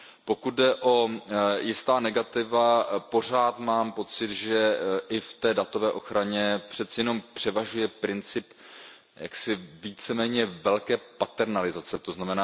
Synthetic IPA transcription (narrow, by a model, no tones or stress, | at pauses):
po̞kut̪̚dɛʔo̞jɪst̪aːnɛɡat̪ɪvapo̞r̝aːt̪maːmpo̞t͡sɪt̪ʒɛʔɪft̪ɛːdat̪o̞vɛːʔo̞xɾaɲɛpr̝̥ɛt̪t͡sɪjɛno̞mpr̥ɛvaʒujɛpɾɪnt͡sɪp | ja̰ksɪviːt͡sɛmɛːɲɛvɛlkɛːpat̪ɛɾnalɪzat͡sɛt̪oznamɛnaː